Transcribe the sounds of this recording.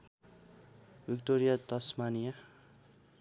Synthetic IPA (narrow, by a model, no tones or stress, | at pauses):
bik̚ʈoɾijad̪ʌsmanija